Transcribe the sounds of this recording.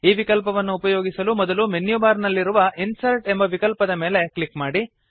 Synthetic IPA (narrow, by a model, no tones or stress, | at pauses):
iːʋikɐlp̬ɐʋɐnːuːpɐjoːɡisɐlumɔd̪ɐlumenjubaːɾnɐlːiɾuʋɐinsɐlʈe̞mbɐʋikɐlpɐd̪ɐmeːle̞klikmaːɽi